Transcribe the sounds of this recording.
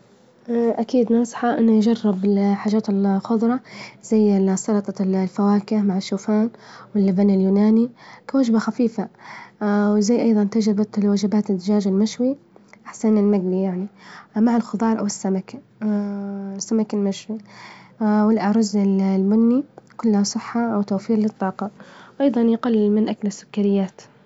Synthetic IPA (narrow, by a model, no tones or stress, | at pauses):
ʔʔakiːd̪nɑsˤħaʔɪnːʊjd͡ʒɑrˤːɪbɪħaːd͡ʒaːt̪ɪlxʊðˤɾˤɑz̥ajːsɑɾɑt̪ˤɑlfawaːkɪhmaʕɪʃːuːfaːnwɪlːɪbanɪljuːnaːnikawad͡ʒbaxafiːfa | wzajːʔɑjðˤɑnt̪ad͡ʒɾɪbat̪lwad͡ʒɪbaːt̪ɪd̪ɪd͡ʒaːd͡ʒɪlmaʃwiʔaħsannɪlmaɡlijaʕnimaʕɪlxʊðˤɑːɾˤʔawɪsːamak | sːamakɪlmaʃwi | wɪlʔaʕɾˤʊzɪllbʊnːikʊlːhasˤɨħːaʔawt̪aːfiːɾlɪt̪ˤːɑːqɑwʔɑjðˤɑnjɪqalːmɪnʔaklɪsːʊ̥kːaɾɪjːaːt̪